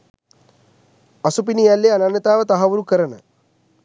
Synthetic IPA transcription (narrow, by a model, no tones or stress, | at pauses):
ɐsupinijalːeananjət̪aːʋət̪aɦɐʋuɾukəɾənə